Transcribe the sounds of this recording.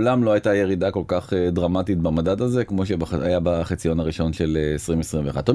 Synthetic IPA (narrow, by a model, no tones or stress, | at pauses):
lamloajtaje̞ʁidako̞lkaχedʁamatit̪bamadadazekmo̞ʃ̬ebajabaχit͡sijo̞naʁiʃo̞nʃe̞leːsʁimvesʁimveːχa̰dtːo